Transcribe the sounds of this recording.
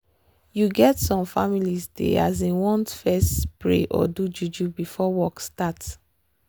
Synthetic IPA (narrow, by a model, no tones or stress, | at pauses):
juɡɛtsɔ̃mfamilizdḛa̰zewɔ̃ntfɛstpɹḛʔɔ̰dud͡ʒud͡ʒubifɔwɔkstat